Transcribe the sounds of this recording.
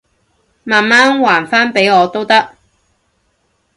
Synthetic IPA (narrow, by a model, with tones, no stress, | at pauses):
maː˨nmaː˥nwaː˨˩nfaː˥npe˨˥jɔː˨˧t̪o˥wt̪ɐ˥k̚